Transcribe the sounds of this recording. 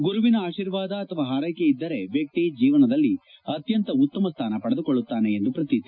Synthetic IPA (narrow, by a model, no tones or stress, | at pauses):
ɡuɾuʋinɐaːʃiːɾʋaːd̪ɐːt̪ʰɐʋaːɦaːɾɐjkeid̪ːɐɾe̞ʋjɐk̚t̪id͡ʒiːʋɐnɐd̪ɐlːi | ɐt̪jɐnt̪ɐut̪ːɐmɐst̪ʰaːnɐpɐɽed̪ukoɭːut̪ːaːne̞ːnd̪upɾɐt̪it̪i